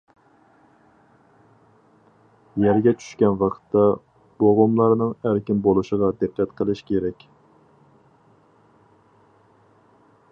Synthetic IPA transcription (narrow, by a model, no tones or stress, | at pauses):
jæɾɡʲɛt͡ʃʰy̥ʃkʲɛnwɑqʰt̪ːɑ | b̥oʁʊmlˠɑɾnɨŋæɾkʲɪmbolˠuʃəʁɑd̪ɨqːɛt̪qʰəlˠɪʃkʲʰeɾɛkʲ